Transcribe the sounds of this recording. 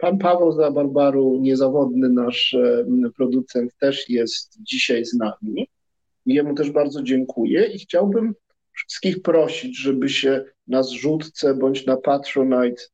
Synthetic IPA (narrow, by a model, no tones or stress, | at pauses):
panpavɛwzabaɾbaɾuɲɛzavɔd̪nɘnaʂpɾɔd̪ut̪sɛnt̪ːɛʂjɛst̪d͡ʑiɕajznamʲi | jɛmut̪ɛʐbaɾd̪zɔd͡ʑɛŋkʰujɛixt͡ɕawbɘm | fʂɘ̥skʲixpɾɔɕid͡ʑʐɛbɘɕɛ | nazʐut̪t̪sɛbɔɲt͡ɕnapat̪ɾɔnajt̪